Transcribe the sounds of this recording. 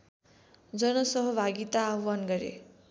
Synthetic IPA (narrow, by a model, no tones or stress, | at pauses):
d͡zʌnʌsʌɦʌbʱaɡit̪aːɦwanɡʌɾḛ